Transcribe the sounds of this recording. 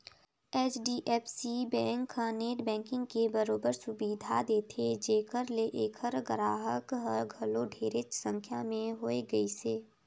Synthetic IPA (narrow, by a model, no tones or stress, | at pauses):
ɛːt͡ʃɖiʔɛːpʰsibɛ̃ːŋkːaːneːʈbɛ̃ːŋkɪ̃ŋɡkebəɾoːbəɾsʊbiːd̪ʱad̪eːt̪ʰed͡ʒeːkəɾleʔeːkʰəɾɡəɾaːɦəkɦəɾɡʱɐloɖʱeːɾɪt͡ʃsə̃ŋkʰjamẽɦoːeɡəiseː